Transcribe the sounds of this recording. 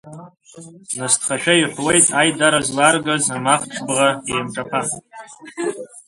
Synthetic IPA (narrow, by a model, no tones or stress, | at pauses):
nastʰχaʃᶣaiħʰwejtʼajdaɾazlarɡazamaχʈ͡ʂʰbʁaejmʈ͡ʂʼapʰa